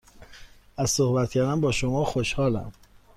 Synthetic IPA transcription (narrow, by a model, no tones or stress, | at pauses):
æzsohbæt̪̚ʰcʰæɾd̪ænbɒːʃomɒːxoʃhɒːlæ̰m